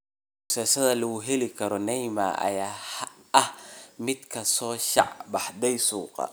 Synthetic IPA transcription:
mʊsɛːsɐðɐlɐɣʊɦɛlɪkʰɐɾɔnɛjma̰ːʔɐ̰jaːhʔɐhmɪd̪kʰɐsɔːʃɑ̰ʕbɑħd̪ɛjsuːqɑ̰

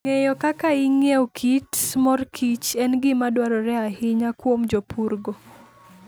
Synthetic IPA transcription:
ŋejɔkakaiŋewkʰitsmɔrkʰit͡ʃɛnɡɪmadwaɾɔɾɛahɪɲakwomd͡ʒopuɾɡo

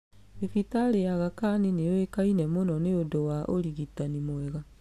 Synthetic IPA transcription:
efitaɾejaɣakanineowekainɛmonɔneodowaʔoɾiɣitanimoɛɣa

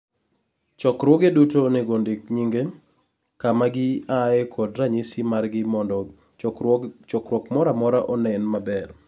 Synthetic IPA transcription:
t͡ʃɔkɾwɔɡedutonɛɡondɪk̚ɲiŋɡe | kamaɡɪaɛkʰɔdɾaɲisimarɡɪɔ | t͡ʃɔkɾwɔkmɔɾamɔɾaʔɔnɛnmabɛr

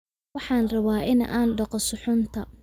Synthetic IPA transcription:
wɑħɑːnrɐβaːʔɪn̰ʔa̰ːnɖɑqɔsʊħʊnt̪ʰɐ

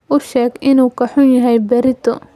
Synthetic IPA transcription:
ʔʊʃɛːɡʔɪnuːkʰɐħʊnjɐɦɛjbɐɾɪt̪ʰɔ

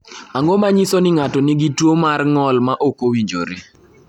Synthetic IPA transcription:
aŋɡomaɲisonɪŋatonɪɡitwomarŋɔlmaʔokowiɲd͡ʒo̰ɾe

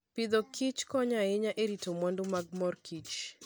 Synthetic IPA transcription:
pɪd̪ɔkʰit͡ʃkɔɲaɪɲaʔeɾitomwɔndʊmaɡ̚mɔrkit͡ʃ

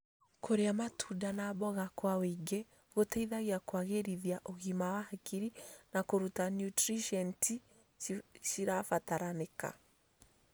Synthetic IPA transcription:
kʰoɾeamatʰudanabɔɣakwaweŋɡe | ɣotɛiðaɣiakwaɣeɾiðjaʔoɣimawahakiɾinakoɾutanjutɾiʃɛnti | ʃiɾafataɾaneka̰

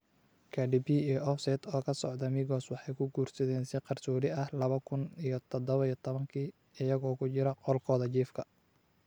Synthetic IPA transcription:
kʰɐɖibiijʔɔfsɛd̪ɔːkʰɐsɔʕd̪ɐmɪɣɔːswɑħɑjkʰʊɡuːrsɐðɛːnsɪqɑrt͡ʃuːɾɪɐhlɐβɐkʰʊnijɔt̪ʰɔd̪ɔβɐijɔt̪ʰɔβɐŋkʰiː | ɪjɐɣɔːkʰʊt͡ʃɪɾɐqɔlkʰɔːðɐt͡ʃiːfkʰɐ

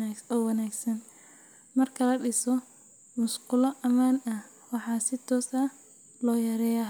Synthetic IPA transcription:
ɔːwɑnaːɡsɐn | mɐrkʰɐlɐɖɪsɔ | mʊsqʊlɔʔɐmaːnɐh | wɑħɑːsɪt̪ʰɔːsɐ | lɔːjɐɾɛːja

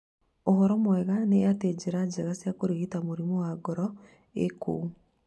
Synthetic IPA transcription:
ohɔɾɔmwɛɣaneated͡ʑeɾad͡ʑeɣasjakoɾiɣitamoɾimowaɡɔɾɔ | ḛko̰u

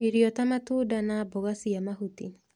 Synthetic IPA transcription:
iɾiɔtamatudanabɔɣasiamaɦutḭ

